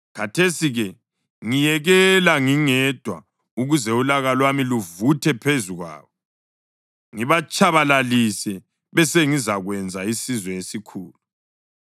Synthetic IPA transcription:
kʰatʰesiɣɛ | ŋijɛɣɛlaŋiŋɛd̥ʱwa | uɣuzɛulaɣalwamiluvutʰɛpʰezuɣwa̰ːβɔ | ŋiβat͡ʃʰʼaβalalisɛ | βɛseŋizaɣwɛnd͡zʱaisizwɛesikʰuːlu

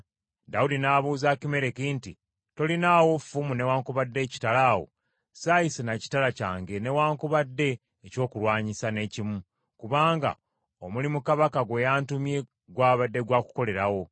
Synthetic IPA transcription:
daudinaβuːzaːkime̞ɾe̞kinti | to̞linaːwo̞fumune̞waːŋkuβadːe̞ːci̥talaːwo̞̰ | saːjisenaci̥talaca̰ːŋɡe̞ne̞waːŋkuβadːe̞ː | co̞ːkulwaːɲisane̞ːcimu | kuβaːŋɡa̰ | omulimukaβakaɡwejaːntumje̞ | ɡwaːβadːe̞ɡwaːku̥ko̞le̞ɾawo̞

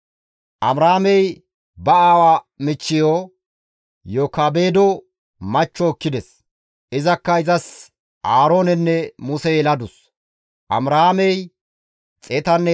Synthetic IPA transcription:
ʔɐmɾaːmɛj | bɐaːwa | mɪt͡ʃːɪjoː | joːkaːbe̞ːd̪ɔ | mɐt͡ʃːɔːkːɪd̪ɛs | ʔɪzɐkːɐɪzɐs | ʔaːɾoːnɛnːɛmʊsɛjɛlɐd̪ʊs | ʔɐ̰mɾaːmɛj | t͡sʼɛt̪ɐnːɛ

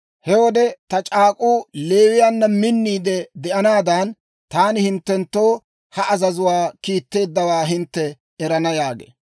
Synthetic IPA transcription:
hɛwɔd̪ɛt̪ɐt͡ʃʼaːkʼuːleːwɪjaːnːɐmɪnːiːd̪ɛd̪ɛʔɐnaːd̪aːn | t̪aːnɪhɪnt̪ːɛnt̪ːo̞ː | hɐʔɐzɐzʊwaːkiːt̪ːe̞ːd̪ːɐwaːɦɪnt̪ːɛː | ɾɐnɐjaːɡḛː

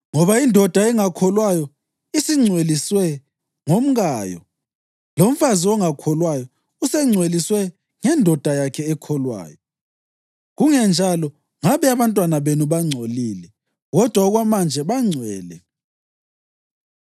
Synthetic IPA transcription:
ŋɔβaindʱɔd̥ʱaɛŋakʰɔlwajɔ | isiŋ͡ǀʱweliswɛ | ŋom̩ɣaːjɔ̰ | lom̩faziɔŋakʰɔlwajɔ | usɛŋ͡ǀʱweliswɛ | ŋɛndʱɔd̥ʱajakʰɛːkʰɔlwa̰ːjɔ | ɣuŋɛnd͡ʒʱalɔ | ŋaβɛaβantʼwanaβenuβaŋ͡ǀʱoliːlɛ | ɣɔd̥ʱwaɔɣwamand͡ʒʱɛβaŋ͡ǀʱwɛ̰ːlɛ̰

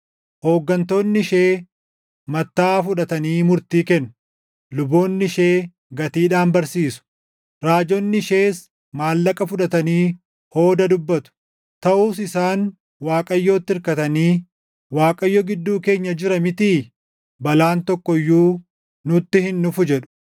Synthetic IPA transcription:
ho̞ːɡːɐnt̪o̞ːnːɪʃe̞ː | mɐt̪ːaːfʊᶑɐt̪ɐniːmʊɾt̪iːkɛnːʊ̥ | lʊbo̞ːnːɪʃeː | ɡɐt̪iːᶑaːnbɐɾsiːsʊ̥ | ɾaːd͡ʒɔnːɪʃe̞ːs | maːlːɐkʼɐfʊᶑɐt̪ɐniː | ho̞ːd̪ɐd̪ʊbːɐt̪ʊ̥ | t̪ɐʔuːsɪsaːn | waːkʼɐjːo̞ːt̪ːɪɪɾkɐt̪ɐniː | waːkʼɐjːɔɡɪd̪ːuːke̞ːɲːɐd͡ʒɪɾɐmɪt̪iː | bɐlaːnt̪ɔkːɔjːuː | nʊt̪ːɪhɪnːʊfʊd͡ʒɛᶑʊ̥

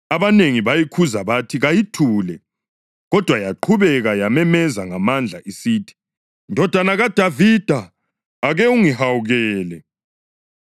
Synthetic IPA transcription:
aβaneŋiβajikʰuzaβatʰiɣajitʰuːlɛ | ɣɔd̥ʱwajaǃʰuβɛɣajamɛmɛzaŋamand͡ɮʱa̰ʔisiːtʰi̥ | ndʱɔd̥ʱwanaɣad̥ʱavid̥ʱaː | ɣɛuŋihawuɣɛːlɛ

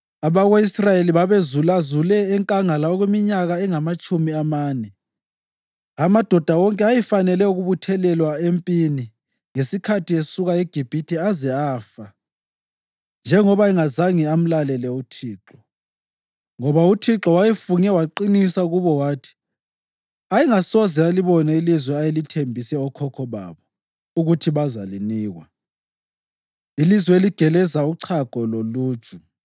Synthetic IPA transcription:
aβaɣeisrajeliβaβezulazulɛːŋkʼaŋalaɔɣwemiɲaɣaɛŋamat͡ʃʼumiamaːnɛ | amad̥ʱɔd̥ʱawɔŋkʼɛajɛfanɛlɛuɣuβutʰɛlɛlwaempʼini | ŋesikʰatʰiesuɣaeɡ̥ʱib̥ʱitʰiazɛaːfa | nd͡ʒʱɛŋɔβaɛŋazaŋiam̩lalɛlɛutʰiːǁɔ | ŋɔβautʰiǁɔwajɛfuŋɛwaǃinisauɣuβɔwaːtʰi̥ | aiŋasɔzɛaliβɔnailizwɛajelitʰembʱisɛɔkʰɔkʰɔβa̰βɔ | uɣutʰiβazaliniːɣwa | ilizwɛeliɡ̥ʱɛlɛzauǀʰaɡ̥ʱɔlolu̥ːt͡ʃʼu

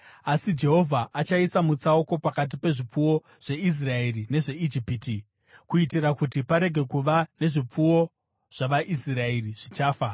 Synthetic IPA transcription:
asid͡ʒe̞ɦo̞vʱaʔat͡ʃaisamut͡saoko̞pakat̬ipe̞ʐip͡fuwo̞ | ʐ̥e̞is̬rae̞rine̞ʐe̞id͡ʒipiti | kuitiɾakutipaɾe̞ɡʱe̞kuʋane̞ʐip͡fuwo̞ | ʐ̥aʋaʔisrae̞riʐ̥it͡ʃaːfa

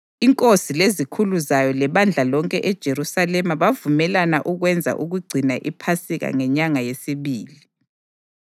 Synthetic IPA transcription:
iŋkʼosilezikʰuluzajɔlɛβand͡ɮʱalɔŋkʼɛʔɛd̥ʒ̥ʱeɾusalɛmaβavumɛlanaʔuɣwɛnd͡zʱa̰ʔuɣuɡ͡ǀʱinaʔipʰasiɣa̰ŋɛɲaŋajesiβiːli

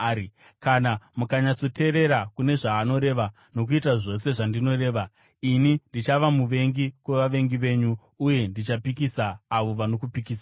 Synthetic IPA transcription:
kanamukaɲat͡so̞te̞ɾe̞ɾakune̞ʐaːno̞ɾe̞ʋa | no̞k̬uitaʐo̞se̞ʐandino̞re̞ːʋa | inindit͡ʃaʋamuʋe̞ŋɡikwe̞ʋaʋe̞ŋɡiʋe̞ːɲu | uje̞ndit͡ʃapikisaːʋo̞ʋano̞kupikiːsa

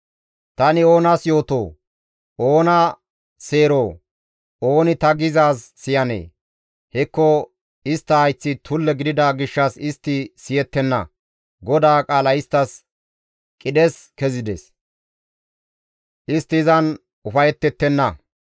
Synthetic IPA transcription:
t̪ɐnɪo̞ːnɐsjo̞ːt̪o̰ː | ʔo̞ːnɐ | se̞ːɾoː | o̞ːnɪt̪ɐɡɪzaːsːɪjɐnḛː | hɛkːɔ | ɪst̪ːɐhɐjt͡sːɪt̪ʰʊlːɛɡɪd̪ɪd̪aɡɪʃːɐsɪst̪ːɪsɪjɛt̪ːɛnːɐ̰ | ɡɔd̪aːkʼaːlɐɪst̪ːɐs | kʼɪd̪ɛskɛzɪd̪ɛ̰s | ʔɪst̪ːɪːzɐn | ʊfɐjɛt̪ːɛt̪ːɛnːɐ

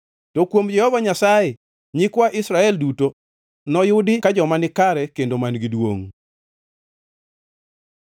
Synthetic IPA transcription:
tokwomd͡ʒɛhɔvaɲasajɛ | ɲɪkwaʔɪsɾaɛlduto | nɔjʊdɪkad͡ʒɔmanɪkaɾɛkendomanɡidwo̰ŋ

